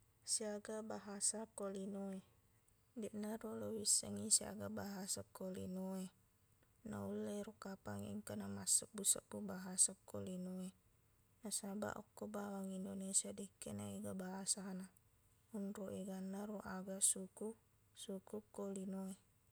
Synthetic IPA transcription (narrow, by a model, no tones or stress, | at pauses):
siaɡabaɦasakolinoe | diʔnarolowisəŋisia̰ɡabaɦasakolḭnoe | na̰ulːeɾukapaŋ̰iŋkanamasəʔ̚busəʔpubaɦasakolinoe | nasaba̰ʔɔ̰kːobawaŋindonesiadikːenaiɡabaɦasana | unroʔeɡanːaɾoʔaɡasuku | sukukolinoe